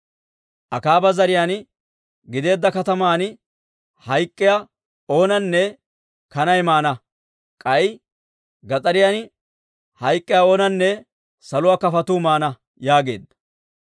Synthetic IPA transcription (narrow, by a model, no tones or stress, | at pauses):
ʔɐkaːbɐzɐɾɪjaːn | ɡɪd̪e̞ːd̪ːɐkɐt̪ɐmaːn | hɐjkʼːɪja | o̞ːnɐnːɛ | kɐnɐjmaːnɐ | kʼɐj | ɡɐt͡sʼɐɾɪjan | hɐjkʼːɪjao̞ːnɐnːɛ | sɐlʊwaːkɐfɐt̪uːmaːnɐ | jaːɡe̞̰ːd̪ːɐ